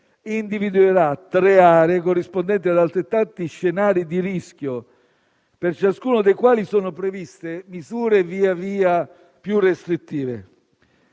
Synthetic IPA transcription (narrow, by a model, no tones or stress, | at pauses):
ind̪ivid̪ueɾat̪ːɾeaːɾeːkorːispond̪ɛnt̪iad̪alt̪ɾet̪ːant̪iʃːenaːɾid̪iɾisk̟ʲjo | pert͡ʃaskuːnod̪ejkwaːlisɔːnʊpɾevist̪emizuːɾeviːaviːa | pjurːest̪ɾit̪ːiːvḛ